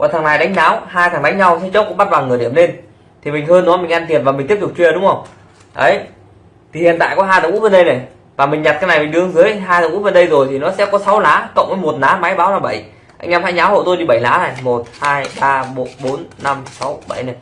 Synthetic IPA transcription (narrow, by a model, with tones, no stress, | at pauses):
kwa̰˨˩t̪ʰa˨˦ŋnaː˧˩jɗa˨˦jŋ̟naː˨˦wɦaː˧jt̪ʰaː˨˩ŋɗa˨˦ŋ̟ɲa˧wsi˧˦t͡ɕə˦˥k͡p̚kʊ̰˧˥ŋ͡mɓa˦˥t̚vaː˨˩ŋɨ˨˩əɗi˧˩əmle˧n | t̪ʰi˨˩mi˨˩ŋ̟ɦəː˧nːɔ˨˦mï˨˩ŋ̟ʔa˧nt̪i˨˩ənvaː˨˩m̟˨˩t̪i˦˥əp̚t̪u˨˩k͡p̚t͡ɕwi˧əɗʊ˨˦ŋ͡mhə˧wŋ͡m | ʔə˨˦j | t̪ʰi˨˩hḭ˧˨ənt̪a̰ː˧˨kɔ˨˦ɦaː˧jt̪aː˨˩ŋṵ˧˥və˨˧˩nɗə˧jna˨˩j | vaː˨˩mï˨˩ŋ̟ɲa˨˩t̚kaː˨˦jna˨˩jmi̟˨˩ɗɨ˨˧˦ə˧ŋzɨ˨˦jɦaː˧j̪t̪a˨˩ŋʔ̚və˨˧˩nɗə˧jzo˨˩jt̪ʰi˨˩nɔ˨˦sɛ̰˧˥kɔ˨˦sa˨˦wlaː˨˦kə̰˧˨wŋ͡mʔə˨˦jmo˨˩t̚naː˨˦ma˨˦jɓaː˨˦wnaː˨˩ɓə˧˩j | ʔa̰˧ŋ̟ʔaː˧˦mhaː˧˥jɲnaː˨˦who̰˧˨t̪o˧jɗi˧˩ɓə˧˩jlaː˨˦na˨˩jmo˨˩t̚haː˧jɓaː˧ɓo˨˦ɓo˨˦nːa˧msa˨˦wɓə˧˩jna˨˩j